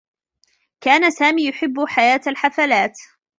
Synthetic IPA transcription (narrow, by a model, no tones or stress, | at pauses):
kaːnasaːmiːjʊħɪbːʊħajaːt̪alħafalaːt̪